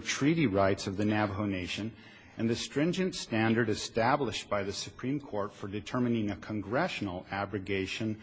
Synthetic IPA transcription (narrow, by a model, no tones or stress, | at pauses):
tʰɹ̥iɾiɹaɪtsʌvðɨnæbɦoʊneɪʃɨ̃n | ɨ̃nðɨstɹ̥ɪ̃nd͡ʒɨ̃ntstæ̃ndə˞ɾɨstæbləʃb̥aɪðɨsɨpʰɹ̥ĩmkʰɔɹtfə˞dɨtʰɜ˞mɨnɪ̃ŋɨkʰə̃nɡɹɛʃn̩l̩ˠæbɹɨɡeɪʃɨ̃n